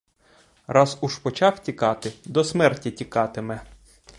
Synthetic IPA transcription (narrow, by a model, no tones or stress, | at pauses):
rɑzuʃpɔt͡ʃɑwtʲikɑt̪ɪd̪ɔsmɛrtʲitʲikɑt̪ɪmɛ